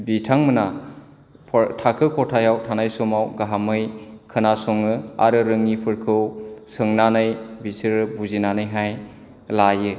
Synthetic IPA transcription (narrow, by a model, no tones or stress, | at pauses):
bitʰaŋmɯna | pʰtʰakʰɯkʰɔtʰajawtʰanajsɔmawɡaɦamɯjkʰɯnasɔŋɯa̰ɾɯɾɯŋːipʰɯɾkʰɯwsɯŋnanɯjbisiɾɯbuzinanɯjɦaj | lajɯ